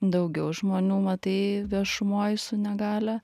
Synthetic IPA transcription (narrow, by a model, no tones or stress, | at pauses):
d̪ɐʊɡʲɛʊʒmoːnʲuːmɐt̪ɐɪʋʲiɛʃʊmoːjsʊnʲɛɡɑːlʲɛ